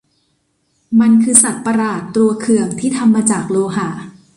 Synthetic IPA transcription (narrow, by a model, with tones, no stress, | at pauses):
ma˧nkʰɯː˧sa˨˩t̪̚pa˧ɾaː˨˩t̪ːɾu˧ɐkʰɯ˨˩əŋt̪ʰiː˥˩t̪ʰa˧mːaː˧t͡ɕaː˨˩k̚loː˧ɦa˨˩˦